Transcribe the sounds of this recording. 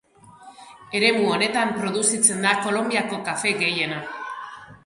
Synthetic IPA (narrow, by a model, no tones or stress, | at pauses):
e̞ɾe̞muo̞ne̞t̪ampɾo̞ð̞usit͡se̞nd̪ako̞lo̞mbiako̞kafe̞ɣe̞je̞na